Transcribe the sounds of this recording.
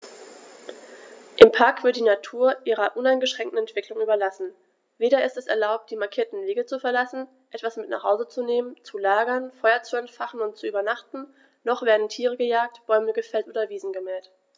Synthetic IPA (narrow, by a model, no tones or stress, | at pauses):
ʔɪmpʰaɐkv̥ɪɐt̚d̥iːnatʰuːɐʔiːʁɐʔʊnaɪnɡəʃʁ̥ɛŋktn̩ɛntv̥ɪklʊŋʔyːbɐlasn̩ | veːɾɐɪstɛsɛ̰ɐlaʊp̚t̚d̥iːmaɐkʰiːɐtn̩veːɡət͡sufɛɐlasn̩ | ʔɛtv̥asmɪtna̰χhaʊzət͡suneːmənt͡sulaːɡɐnfɔʏɐt͡suɛntfaχn̩ʊntt͡suʔyːbɐnaχtn̩ | nɔχv̥eːɐdn̩tʰiːʁ̞əɡəjaːk̚tb̥ɔʏməɡəfɛltʔoːdɐviːzn̩ɡəmɛːlt